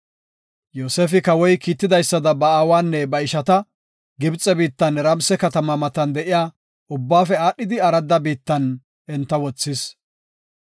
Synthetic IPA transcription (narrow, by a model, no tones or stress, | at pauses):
joːseːfɪkɐwɔjkiːt̪ːɪd̪ɐjsːɐd̪ɐbɐaːwaːnːɛbɐɪʃɐt̪ɐ | ɡɪbt͡sʼːɛbiːt̪ːɐnɛɾɐmsɛkɐt̪ɐmɐmɐt̪ɐnd̪ɛʔɪjaː | ʊbːaːfɛaːɗːɪd̪ɪɐɾɐd̪ːɐbiːt̪ːɐn | ʔɛnt̪ːɐwɔt͡sːɪs